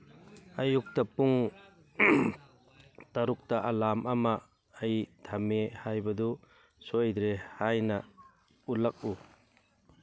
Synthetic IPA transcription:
ajuk̚tapuŋ | taɾuk̚taʔalamamaː | jd̥ʰʱamehajbadɔ | sojd̪ɾehajna | ulak̚u

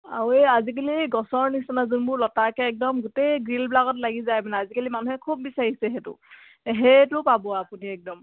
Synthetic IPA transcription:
a̰eazik̬aliɡɔsɔɹnisɔnazunbʊɹlɔtakɛːk̚dɔmɡʊtejɡɹilblaɡɔt̬laɡizajmanɛazikalimanuɦɛkʰubːisaɹisɛɦɛtʊ̰ | ɦɛtʊpabɔapuniɛk̚dɔm

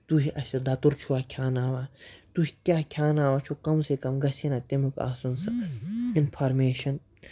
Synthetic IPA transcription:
t̪uɦiʔɐsʲed̪ɐt̪uɾt͡ʃʰuaːkʰaːnaːʋaːt̪uɦi̥kʲaːkʲʰjaːnaːʋat͡ʃʰokɐmsekɐmɡɐsʲenat̪emuka̰ːsunsɐinpʰaːɾmeːʃɐn

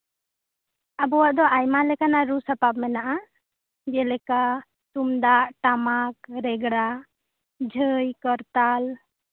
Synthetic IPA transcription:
abɔwaʔd̪ɔʔajmalɛkanaɾusapab̚mɛnaʔa | d͡ʒɛlɛka | t̪umd̪aʔʈamak̚ɾɛɡɽa | d͡ʒʱəjkəɾt̪al

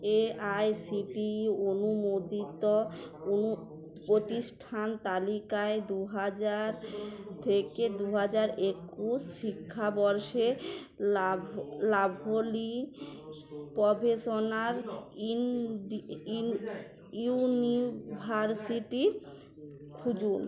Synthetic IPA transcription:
eajsiʈionumod̪it̪oonu | pɾot̪iʃʈʰant̪alikaed̪uɦad͡ʑaɾt̪ʰeked̪uɦad͡ʑaɾekːuʃʃikʰːabɔɾʃe | labʱoli | pɔbeʃonaɾ | nibʱaɾsiʈi | kʰud͡ʑun

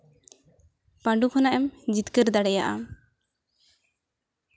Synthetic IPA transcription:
paɳɖukʰɔnaʔɛmd͡ʒit̪kəɾd̪aɽɛjaʔa̰

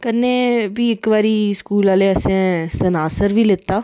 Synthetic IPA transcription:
kəneːbiːɪkʋaːɾiːskuːlaːleːəsẽːsənaːsəɾʋiːlɪt̪ːaː

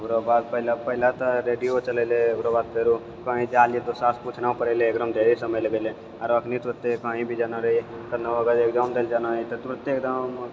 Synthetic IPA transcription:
əbɾobad̪̚pəɦilapəɦilat̪əɾeɖijot͡ʃəlɛleəbɾobad̪̚pʰeɾu | kə̃ɦĩd͡ʒaliet̪osasput͡ʃʰnaũpəɾeleːkd̪əmd̪eɾisəməjləɡele | aɾəkʰnit̪uɾət̪ːekəɦĩbʱid͡ʒanaɾəɦi | kəd̪naəɡəɾek̚d͡ʒand̪eld͡ʒanait̪ɔt̪uɾət̪ːekd̪əm

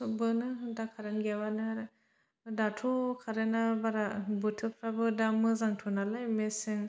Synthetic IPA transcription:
subɯnɯdakʰaɾɯnɡabanɯɾ | datʰukʰaɾenabaɾabɯtʰɯpʰɾabɯdamɯzaŋtʰunalajmesɯŋ

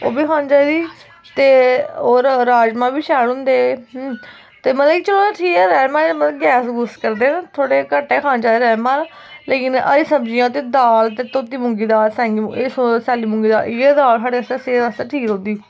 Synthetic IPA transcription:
oːbiːkʰãːnd͡ʒaːid̪iː | t̪eːoːɾɾaːd͡ʒmãːbiːʃɛːɽʊ̃nd̪eː | t̪eːmət̪ləɡit͡ʃəɽoeʈʰiːkɛːɾɛːmãːmət̪ləɡɛːsɡʊskəɾd̪enːt̪ʰoːɽeːkəʈːɛːkʰãːnd͡ʒaːd̪iːɾɛːmãːɾ | leːkɪnə̰ɾiːsəbd͡ʒɪjãːt̪̬eːd̪aːlt̪eːt̪oːt̪iːmʊŋɡiːd̪aːɾsɛ̃ːŋɡiessɛːliːmʊ̃ŋɡiːd̪a̰ːlɪed̪aːlsaːɽeːəst̪eːseːəst̪eːʈʰiːkɦõːnd̪iː

